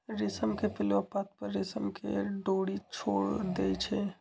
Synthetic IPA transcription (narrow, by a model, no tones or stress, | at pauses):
ɾɪsəmkepɪlopat̪̚pəɾːɪsəmkḛɖoːɽit͡ʃʰoːɽd̪et͡ʃʰɛ